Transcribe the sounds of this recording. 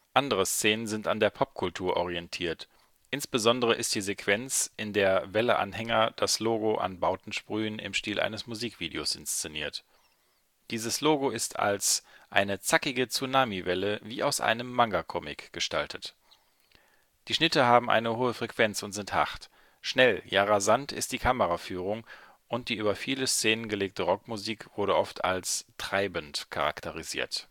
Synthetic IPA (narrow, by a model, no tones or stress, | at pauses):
ʔandəʁ̞əst͡seːnənzɪntandeːɐpʰɔp̚kʰʊltʰuːɐʔɔʁ̞iɛntʰiːɐt | ʔɪnsb̥əzɔndəʁ̞əʔɪst̚d̥iːzekʰv̥ɛnt͡sʔɪndeːɐvɛləʔa̰nhɛŋɐd̥asloːɡoʔa̰nbaʊtn̩ʃpʁ̥yːənɪ̰mʃtiːlʔa̰ɪnəsmuziːkv̥iːdeo̰sʔɪnst͡senḭːɐt | d̥iːzəsloːɡoɪstʰa̰lsʔa̰ɪnət͡sakɪɡət͡sunaːmivɛləviːʔa̰ʊsʔa̰ɪnəmːaŋɡakʰɔmɪ̰kɡ̥əʃtaltʰət | d̥iːʃnɪtəɦaːbm̩ʔa̰ɪnəhoːəfʁ̥ɛkv̥ɛnt͡sʊntz̥ɪntha̰χt | ʃnɛljaːʁazantʰɪ̰st̚d̥iːkʰaməʁafyːʁ̞ʊŋ | ʔʊnt̚d̥iːʔyːbɐfiːləst͡seːnənɡəleːk̚tʰəʁɔkmuziːkv̥ʊɐɾəʔɔftʰa̰lstʁ̥aɪbəntkʰa̰ʁa̰ktʰəʁ̞izḭːɐt